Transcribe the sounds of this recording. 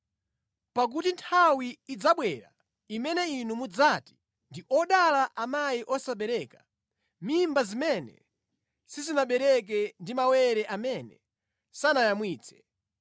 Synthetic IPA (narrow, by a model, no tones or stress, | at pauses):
pak̬utintʰawiːd͡zaɓwɛɾa̰ | imɛnɛinumud͡zati̥ | ndiʔɔɗalaʔamajiʔɔsaɓɛɾɛka | mimbazimɛnɛ̰ | sizinaɓɛɾɛk̬ɛndimawɛɾɛʔamɛnɛ | sanajamwiːt͡sɛ̥